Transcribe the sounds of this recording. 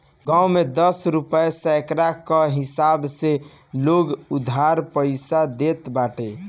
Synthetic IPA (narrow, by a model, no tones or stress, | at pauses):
ɡãumed̪əsɾupəjsɛkɾakəɦisabse | loɡud̪ʱaɾpəɪsad̪et̪baʈe